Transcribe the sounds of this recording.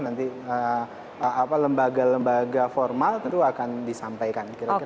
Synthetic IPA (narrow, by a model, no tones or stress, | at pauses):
nant̪iə | apaləmbaɡaləmbaɡafɔrmalt̪t̪uakandisampajkankiɾaki